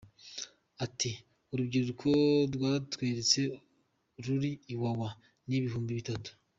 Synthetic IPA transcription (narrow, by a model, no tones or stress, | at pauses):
ati | uɾubɟiːɾuɾukʰoɾwaːtweːɾet͡se̞ | ɾuɾiːwawa | niβihuːmbiβitatu̥